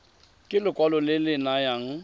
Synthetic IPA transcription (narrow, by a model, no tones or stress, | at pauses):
kʼɪlʊkʼwalɔlɪlɪnajaŋ̩